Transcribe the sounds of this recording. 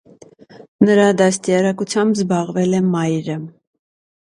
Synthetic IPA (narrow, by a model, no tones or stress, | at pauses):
nəɾɑd̪ɑst̪jɑɾɑkut͡sʰjɑmbzbɑʁvɛlɛmɑjɾə